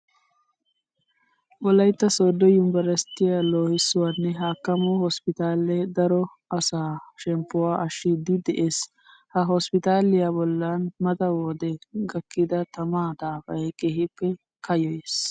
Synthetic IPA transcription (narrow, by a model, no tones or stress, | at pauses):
wɔlɐjt̪ːɐsoːd̪ɔjʊmbɐɾɐst̪ɪjaloːhɪsːʊwaːnːɛɦaːkːɐmɔhɔspɪt̪aːlɛd̪ɐɾɔ | ʔɐsaːʃɛmpːʊwaːʔɐʃːɪd̪ɪd̪ɛʔeːs | hɐɦɔspɪt̪aːlɪjabɔlːanmɐt̪ɐwɔd̪ɛɡɐkːɪd̪ɐt̪ɐmaːd̪aːfɐjɛkeːhɪpːɛ | kɐjɔjes